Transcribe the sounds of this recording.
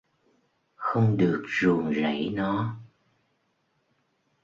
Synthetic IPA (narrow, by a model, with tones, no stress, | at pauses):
xə˧wŋ͡mɗɨ˨˩ək̚zu˨˩əŋza̰˧˩jnɔ˨˦